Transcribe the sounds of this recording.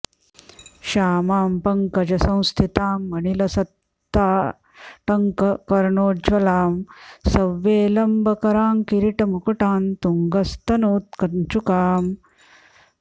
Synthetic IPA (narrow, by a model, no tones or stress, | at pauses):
ɕaːmaːmpɐŋkɐd͡ʑɐsɐ̃w̃st̪ʰit̪aːmːɐɳilɐsɐt̪ː | aː | ʈɐŋkɐkɐɾɳoːʈ̚d͡ʑʱɐlaːmsɐʋːeːlɐmbʱɐkɐɾaːŋkiɾiʈɐmukɐʈaːnt̪uŋɡɐst̪ɐnoːt̪kɐnt͡ʃukaːm